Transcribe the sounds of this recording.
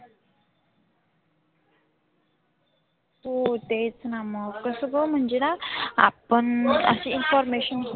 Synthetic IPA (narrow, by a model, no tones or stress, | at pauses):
ot̪et͡snaməkəsəɡəm̤əɳd͡ʑenaa̰pənə̰seinfɔɾmeɕən